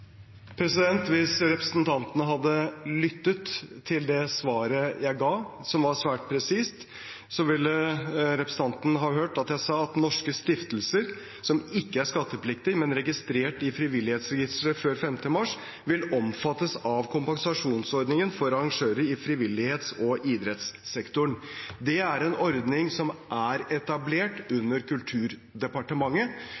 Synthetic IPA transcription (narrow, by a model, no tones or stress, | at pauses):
pʰɾɛsɪd̪ɛnt̪ʋɪsɾɛpɾəsnt̪ʰɑnt̪ənəɦɑd̪ːəlʏt̪ːət̪ʰːɪld̪ɛsʋɑːɾəjæɪɡɑːsɔmʋɑɾʂʋæːʈ̚pʰɾɛsiːst̪ | sɔʋɪlːəɾɛpɾəsəɑnt̪nəɦɑːɦøːʈɑt̪jæɪsɑːɑt̪nɔʂkəst̪ɪft̪əlsəɾ | sɔmɪkːəæɾʂkɑt̪ːəpʰlɪkt̪ɪmɛnɾɛɡɪst̪ɾeːʈɪfɾɪʋɪlːɪheːt̪sɾɛɡɪst̪ɾəføːɾfɛmt̪əmɑʂ | ʋɪlɔmfɑt̪ːəsɑʋkʰʊmpɑnsɑʂuːnsɔɾd̪nɪŋənfɔɾɑɾɑŋʂøːɾəɪfɾɪʋɪlːɪheːt̪sɔʔid̪ɾɛt̪sːɛkt̪ʊɳd̪ɛæɾɛnɔɾd̪nɪŋsɔmʔæɾɛt̪ɑbleːʈʉnːəɾkʉlt̪ʰʉːɾd̪ɛpɑʈəmɑŋːə